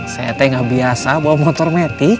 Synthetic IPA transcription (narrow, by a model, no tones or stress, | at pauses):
saat̪ɛŋɡabiasabaamɔt̪ɔrmɛt̪ik